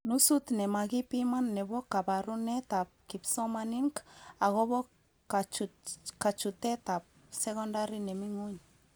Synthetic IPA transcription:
nusut̪nemaɡipimanːeβokːabaɾunet̪ap̚kipsomaniŋkaɣoβok | at͡ʃkat͡ʃut̪et̪ap̚ | sekondaɾinemiŋuɲ

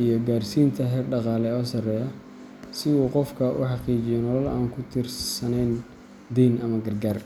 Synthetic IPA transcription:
ijɔɡaːrsiːnt̪ʰɐɦɛːrɖɑqɑːlɛɔːsɐrɛːjɐ | sɪuːqɔfkʰɐʔʊħɑqiːt͡ʃɪjɛnɔlɐlʔa̰ːŋkʰʊt̪ʰɪrssɐnɛjn | d̪ɛjnʔɐmɐɡɐrɡaːr

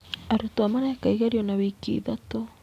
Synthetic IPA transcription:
aɾutoamaɾaakaiɣaɾiɔnawikḭːðato

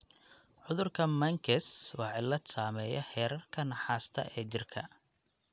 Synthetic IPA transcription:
ʕʊðʊrkʰɐmɐŋkʰɛswɑːʕɪlːɐd̪saːmɛjɐ̰ħɛːɾɐrkʰɐnɑħaːst̪ʰɐ̰ʔɛːt͡ʃɪrkʰɐ̰

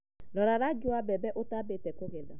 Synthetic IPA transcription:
ɾɔɾaɾad͡ʒʊabɛbɛʔotabetɛkoɣɛda

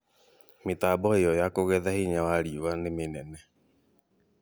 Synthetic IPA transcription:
metaːbɔejɔjakoɣɛðahiɲawaɾiwanemenɛnɛ

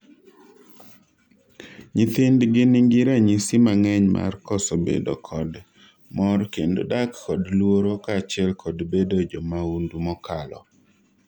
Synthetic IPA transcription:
ɲɪt̪endɡɪnɪŋɡɪɾɛɲisɪmaŋɛɲma̰rkɔsɔbḛdo̰kʰɔd | mɔrkendo̰dakːɔdlwoɾokat͡ʃɪɛlkʰɔdbedod͡ʒɔmaundumɔkalɔ̰

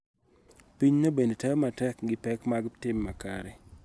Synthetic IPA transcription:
piɲnobendetamatɛkɡɪpɛkmaɡtɪmːaka̰ɾɛ

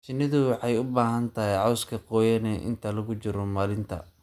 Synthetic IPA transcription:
t͡ʃɪnɪðʊwɑħɑjʊbaːɦɐnt̪ʰɐɦɛjʕɔwskʰɐqɔːjɐnɛʔɪ̰nt̪ʰɐlɐɣʊt͡ʃɪɾɔmaːlɪnt̪ʰɐ̰

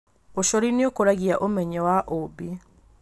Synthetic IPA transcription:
oʃɔɾineokoɾaɣiaʔomɛɲɛwaʔobi

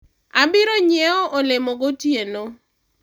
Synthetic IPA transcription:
abɪɾoɲɪɛɔʔolɪmɔɡotjeno

